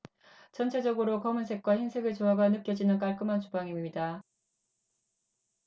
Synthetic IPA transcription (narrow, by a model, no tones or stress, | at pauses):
t͡ɕʌnt͡ɕʰe̞d͡ʑʌɡɯɾokʌmɯnsʰe̞k̚k͈waçinsʰe̞ɡɯɭt͡ɕoɦaɡanɯk͈jʌd͡ʑinɯnk͈aɭk͈ɯmɦant͡ɕubaŋimːida